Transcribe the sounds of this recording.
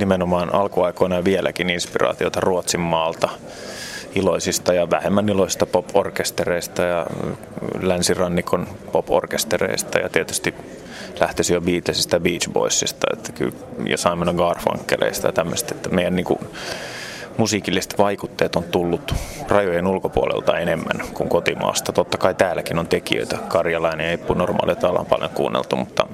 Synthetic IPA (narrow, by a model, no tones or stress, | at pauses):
nimenomɑːnʔɑlkuɑikoinɑɑʋielæ̰kininspirɑ̰ːt̪iot̪ɑruot̪simːɑːlt̪ɑ | iloisist̪ɑjɑʋæhemːæniloisi̥st̪ɑpoporkest̪ereist̪ɑjɑ | lænsirɑnːikonpopo̰rkest̪erḛist̪ɑ̰jɑ̰t̪iet̪y̥st̪i | læht̪esijobiːt̪lesist̪æbiːt͡ʃbo̰isːist̪ɑ̰ḛt̪ːæ̥ky̰l | jɑ̰sɑimːɑneɡɑːrfɑ̰ŋkːelḛist̪ɑjɑt̪æmːø̰se̥t̪e̥t̪ːæmeijænniːŋkṵ | musiːkilːise̥t̪ʋɑikut̪ːeːt̪ont̪ulːut̪rɑjojenulkopuolḛlt̪ɑenemːæ̰nkuŋkot̪imɑ̰ːst̪ɑt̪ot̪ːɑkɑit̪æːlækinont̪ekḭø̰ˑit̪ækɑrjɑlɑineepːunormɑ̰ːlijt̪ɑlːɑ̰mpɑ̰ljo̰ŋkṵːnːʔḛlt̪umut̪ːɑ̰